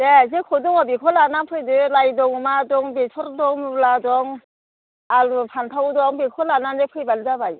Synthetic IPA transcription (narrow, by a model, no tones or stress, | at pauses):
dezekʰɔdɔŋɔbikʰɔlanapʰɯjdɯlajdɔŋmadɔŋbetʰɔɾdɔŋmladɔŋ | alupʰanpʰawdɔŋbekʰɔlananepʰɯjbalzabaj